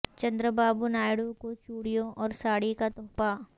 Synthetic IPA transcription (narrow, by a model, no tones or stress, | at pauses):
t͡ʃɐ̃nd̪ɾəbaːbunaːjɽukot͡ʃuːɽijõʔɔːɾsaːɽikat̪ʊ̃pa